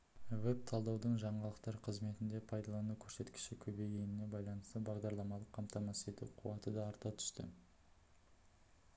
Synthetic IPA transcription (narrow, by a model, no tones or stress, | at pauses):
wɵp̚t̪ʰɑlˠd̪ɑwd̪əɴʒɑɴɑlˠəqt̪ɑɾqʰəzme̞t̪ɪnd̪e̞pʰɑjd̪ɑlˠɑnukʲʰɵɾse̞t̪kʲɪ̥ʃɪkʲʰɵbe̞jɡʲe̞nɪne̞bɑjlˠɑnəst̪əbɑʁd̪ɑɾlˠɑmɑlˠəqʰːɑmt̪ɑmɑse̞t̪ṵqʰʊwɑt̪əd̪ɑːɾt̪ɑt̪ʰʏ̥ʃt̪ɪ̰